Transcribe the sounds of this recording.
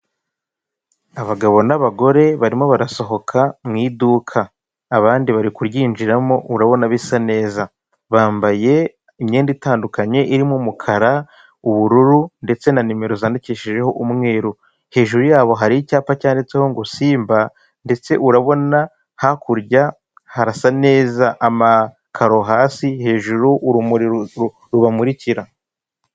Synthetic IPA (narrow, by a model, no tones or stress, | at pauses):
aβaɡaβo̞naβaɡo̞ɾe̞βaɾimo̞βaɾaso̞ɦo̞kʰamŋiːdukʰaː | βaːndiβaɾikuɾɟiːnd͡ʒiɾamo̞ʔuɾaβo̞naβisane̞ːza | βaːmbaje̞ | imɲeːnditaːndukaɲe̞ʔiɾimumukʰaɾa | uβuɾuɾunde̞t͡se̞nanime̞ɾo̞zaːndiceʃeʒe̞ho̞ʔumŋe̞ːɾu | he̞ːʒuɾujaːβo̞ɦaɾicaːpacaːndet͡seho̞ŋɡosiːmba | nde̞t͡se̞ʔuɾaβo̞na | hakuɾɟa | haɾasane̞ːzaʔama | kʰaɾo̞ɦaːsihe̞ːʒuɾuʔːɾumuɾiɾ | ɾuβamuɾiciɾa